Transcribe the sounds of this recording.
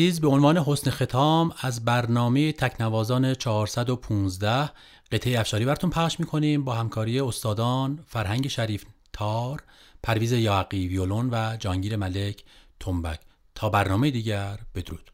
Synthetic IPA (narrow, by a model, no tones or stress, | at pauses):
iːzbe̞onvɒːne̞ɦo̞snexe̞t̪ʰɒːmæzbæɾnɒːme̞jet̪ʰæcʰnævɒːzɒːnet͡ʃʰɒhːɾsæd̪opʰuːnzd̪æh | ɢ̥e̞t̪ʰejeæfʃɒːɾiːbæɾt̪ʰunpʰæχʃmiːkʰo̞niːmbɒːhæmkʰɒːɾiːe̞ost̪ɒːd̪ɒːnfæɾhæŋɟe̞ʃæɾiːft̪ʰɒːɾpʰæɾviːze̞jɒːæɡiviolonvæd͡ʒɒːŋɟiːɾemælecʰt̪ʰombæ̰cʰ | t̪ʰɒːbæɾnɒːme̞jed̪iːɟæɾb̥e̞d̪oɾuːd̪̥